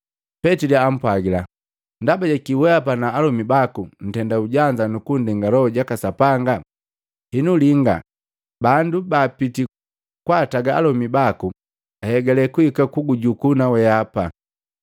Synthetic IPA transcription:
pɛtiliam̩pwaɡila | ndabaɟakiwɛapanaːlɔmibakun̩tɛndauɟaɲd͡ʒanukundiŋɡalɔɔɟakasapaŋɡa | hinuliŋɡa̰ | bandubaːpiti | kwataɡaa̰lɔmibaku | ahɛɡɛlɛkuikakuɡuɟukunawɛapa

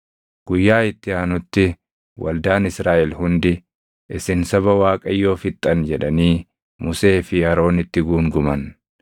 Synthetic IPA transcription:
ɡ̥ʊjːaːɪt̪ːɪaːnʊt̪ːɪ | wʔɐ̰ld̪aːnɪsɾaːʔɛlhʊnd̪ɪ | ʔɪsɪnsɐβɐwaːkʼɐjːo̞ːfɪt̪ʼːɐnd͡ʒɛᶑɐniː | mʊse̞ːfɪɐɾo̞ːnɪt̪ːɪɡuːŋɡʊmɐn

